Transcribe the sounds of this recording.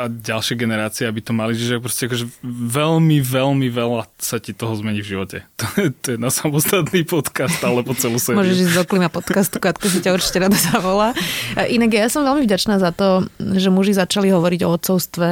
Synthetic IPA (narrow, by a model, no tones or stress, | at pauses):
aɟalʃɪɛɡɛnɛɾaːt͡siɛabit̪ɔmaliʒiʒɛak̚pɾɔscɛakɔʒɛʋɛlmiʋɛlmiʋɛlasacit̪ɔɦɔzmɛɲivʒiʋɔcɛ̰t̪ɔjɛt̪ɔjɛnasamɔst̪at̪niːpɔt̪kast̪alɛbɔt͡sɛlusɛmʊɔʒɛʒizɔklimapɔt̪kast̪kat̪kɔs̬icauɾt͡ʃi̥cɛɾad̪azaʋɔlaːʔinaɡjjasɔmʋɛlmivɟat͡ʃnaːzat̪ɔʒɛmuʒizat͡ʃaliɦɔʋɔɾiɟɔɔt̪sɔʊst̪ʋɛ